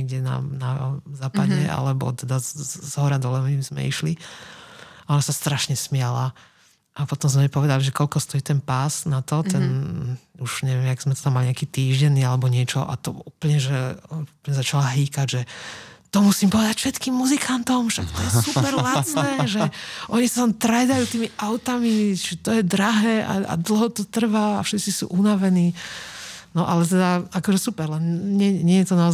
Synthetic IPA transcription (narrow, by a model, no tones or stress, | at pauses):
ɛɡɟɛna̰nazaːpaɟɛa̰lɛbɔ̰t̪ɛd̪azɦɔɾad̪ɔlɛmimzmɛ̰ḭʃli | aɔnasast̪ɾaʃɲɛsmɪala | ʔapɔt̪ɔmzmɛmipɔʋɛd̪aliʒɛkɔʎkɔst̪ɔjiːt̪ɛnpaːsnat̪ɔt̪ɛnuʒ̥ɲɛʋɛmaɡzmɛt̪ɔ̥t̪amːaliɲɪakiːt̪iːʒɟɛnːialɛbɔɲɪɛt͡ʃɔʔa̰t̪ɔuːpl̩ɲɛʒɛpɲɛzat͡ʃalaɦiːkaɟʒɛt̪ɔmusiːmpɔʋɛd̪acfʃɛt̪kiːmːuzikʰant̪ɔmʃakt̪ɔjɛssuspɛɾlasnɛːʒɛʔɔɲisat̪amt̪ɾɛd̪ajuːt̪iːmiʔaʊt̪amit͡ʃit̪ɔjɛd̪ɾaɦɛːʔa̰a̰d̪l̩ˠɦɔt̪ɔt̪r̩ʋaafʃɛt̪t͡sisṵːʔunaʋɛniː | nɔʔalɛt̪̬ɛd̪aakɔʒɛsupɛɾlɛnɲɛɲɪɛjɛt̪ɔnaɔz